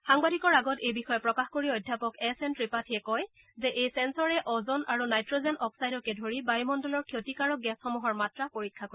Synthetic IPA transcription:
xaŋbadʱikɔɹaɡɔtejbixɔjɔpɹɔkaxkoɹiojdʱjapɔkɛsɛntɹipatʰiɛkɔj | zɛʔejsɛnsɔɹɛʔɔzɔnʔa̰ɹunajtɹozɛnʔɔpsajdɔkɛdʱoɹibajmɔndɔlɔɹkʰjotikaɹɔk̚ɡɛsxɔmuɦɔɹmatɹapoɹikʰːako

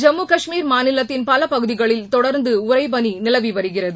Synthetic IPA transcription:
d͡ʒɐmːuːkɐʂmiːɾmaːnɪlɐt̪ːɪnpɐlɐpɐɣɯðɪɣɐɭɪlt̪ɔɽɐɾnd̪ɯʊrɐɪpɐninɪlɐʋiʋɐɾɯɣɪrɐðɯ

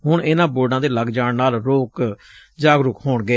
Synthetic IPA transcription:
ɦʊɳʔɪnãːboːɖãːd̪eːləɡd͡ʒaːɳnaːlɾoːk | d͡ʒaːɡɾʊkɦoːɳɡəeː

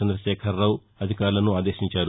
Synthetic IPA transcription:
ɐnd̪ɾɐʃɛːkʰɐɾːɐw | ɐd̪ʱikaːɾulɐnuaːd̪eːʃiɲt͡ʃaːɾu

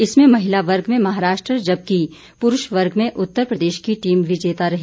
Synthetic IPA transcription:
ɪsmẽmɐɦɪlaʋɐɾɡmẽmɐɦaːɾaːʃʈɾəd͡ʒɐb̚ki | pʊɾʊʃʋɐɾɡmẽʔʊt̪ːəɾpɾɐd̪eːʃkiʈiːmʋʱɪd͡ʒeːt̪aɾɐɦe

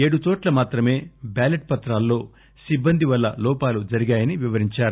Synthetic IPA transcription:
e̞ːɽut̪o̞ːʈlɐmaːt̪ɾɐme̞ːbaːleʈ̚pɐt̪ɾaːlːo̞ː | sibːɐnd̪iʋɐlːɐlɔːpaːlud͡ʒɐɾiɡaːjɐniʋiʋɐɾiɲt͡ʃaːɾu

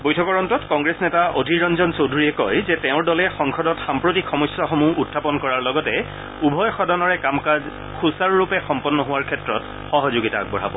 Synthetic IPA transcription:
bojtʰɔkɔɹɔntɔtkɔŋɡɹesnɛtaʔodʱiɹɔnzɔnsowdʱuɹiɛkɔjzɛtɛʊ̃ɹdɔlɛxɔŋkʰɔdɔtxampɹotikʰxɔmɔjsɔxɔmuʔutʰːapɔnkɔɹaɹlɔɡɔtɛ | ubʱɔjxɔdʱanɔɹɛkamka | kʰusaɹːupɛxɔmpɔnːɔɦʊwaɹkʰɛtɹɔt | xɔɦɔzʊɡita̰ːɡ̚bɔɹa̰bɔ̰

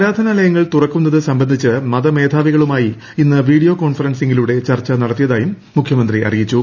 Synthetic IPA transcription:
pɾaːd̪ʱɐnɐlɐjɐŋːɐɭt̪urɐkːunːɐðɨsɐmbɐnd̪ʱit͡ɕːɨmɐðɐme̞ːd̪ʱaːʋiɣɐɭumaːji | inːɨʋiːɽijo̞ːko̞ːnfɐrɐnseŋɡiluɽe̞t͡ɕɐrt͡ɕːɐnɐɽɐt̪ːijɐðaːjumːukʰjɐmɐnd̪riɐ̰rijit͡ɕːu

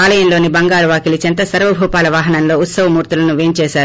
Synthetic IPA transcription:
aːlɐjɐnlo̞ːnibɐŋɡaːlɐʋaːkilit͡ʃɐnt̪ɐsɐɾʋɐbʱuːpaːlɐʋaːɦɐnɐnlo̞ːut̪sɐʋɐmuːɾt̪ulɐnuʋeːnt͡ʃɛːʃaːɾu

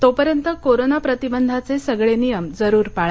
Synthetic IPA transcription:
t̪opəɾjənt̪əkoɾonapɾət̪ibənd̪ʱat͡sesəɡɭenijəmd͡zəɾuːɾpaɭa

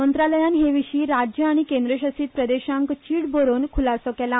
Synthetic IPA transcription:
ənt̪ɾaləjãnɦeʋiɕiːɾad͡ʑjəaɽ̃ikẽnd̪ɾəɕəsiːt̪̚pɾəd̪eɕãŋkt͡ɕiːɽboɾonkʰulasokɛla

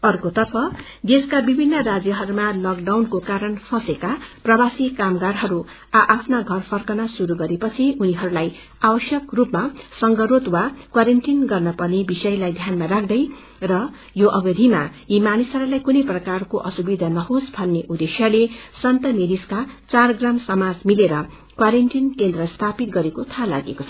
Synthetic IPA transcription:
ʌrkot̪ʌrpʰʌ | d̪eskabibʱinːʌrad͡zjʌɦʌɾumalʌkɖawnkokaɾʌnpʰʌsekaprʌbasikamɡaɽɦʌɾu | aʔːpʰnaɡʱʌrpʰʌrkʌnasuɾuɡʌɾepʌt͡sʰiuniɦʌɾulaj | abʌsjʌkrupmasʌŋɡʌɾot̪wakwaɾeɳʈinɡʌrnʌpʌnebisʌjlajd̪ʱjanmaɾak̚ʰd̪ʌj | rʌ | joʔʌbʌd̪ʱimajimanisʌɾulajkunʌjprʌkarkoʔʌsubid̪ʱanʌɦosbʱʌnːeʔud̪esjalesʌnt̪ʌmeɾiskat͡sarɡramsʌmad͡zmileɾʌ | kwaɾenʈinkend̪rʌst̪ʰapit̪̚ɡʌɾekot̪ʰala̰ɡekot͡sʰʌ

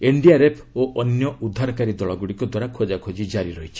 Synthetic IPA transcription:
eɳɖiaɾepʰoʔɔnjɔud̪ʱːaɾɔkaɾid̪ɔɭɔɡuɽikɔd̪waɾakʰod͡ʒakʰod͡ʒid͡ʒaɾiɾɔɦit͡ʃʰi̥

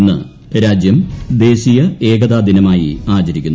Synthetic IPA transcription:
nːɨ̰ | ɾaːd͡ʑjɐmd̪e̞ːɕijɐe̞ːɡɐd̪aːd̪inɐmaːjḭaːt͡ɕɐɾikʲːunː

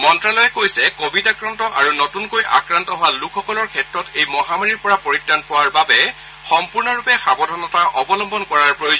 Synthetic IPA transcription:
mɔntɹalɔjɛkojsɛkobitakɹantɔʔa̰ɹunotunkojʔa̰kɹantɔɦʊwalukʰxɔkɔlɔɹkʰɛtɹɔtejmɔɦamaɹiɹpɔɹapoɹitːanpɔwaɹbabɛ | xɔmpuɹnɔɹupɛxabɔdʱɔnɔtaʔɔbɔlɔmbɔnkɔɹaɹpɹojo

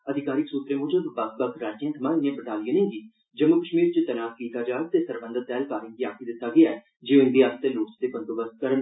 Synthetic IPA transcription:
əd̪ʱɪkaːɾɪksuːt̪ɾeːmʊːd͡ʒuːb̪basbəkɾaːd͡ʒĩːnt̪ʰəmãːɪnijãːbəʈ̪aːlijãːnẽːɡiː | d͡ʒəmːʊkəʃmiːɾt͡ʃɪt̪ənaːskiːt̪aːd͡ʒaːɾ̚t̪eːsəɾbə̃nd̪ət̪ɛːlkaːɾɪ̃ŋɡ̪iːaːkʰiːd̪ɪt̪ːaːɡɪaːɛ | d͡ʒeːõɪ̃nd̪iːaːst̪eːloːt͡ʃd̪eːpənt̪oːbəst̪̚kəɾən

